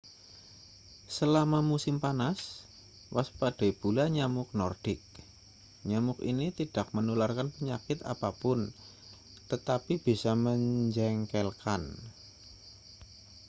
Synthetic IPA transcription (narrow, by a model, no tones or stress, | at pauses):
səlamamusɪmpanas | waspad̥ɛ̤b̥ulaɲamʊk̚nɔrɖ̥ɪk̚ | ɲamʊkḭnit̪id̥a̤k̚mənularkanpəɲakɪt̪a̰papʊn | t̪ət̪apib̥i̤saməɲd͡ʒɛŋkɛlkan